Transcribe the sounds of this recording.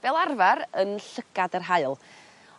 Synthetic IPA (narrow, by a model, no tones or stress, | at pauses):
b̥ɛlˠarvaɾənɬəɡ̥adərɦaɨlˠ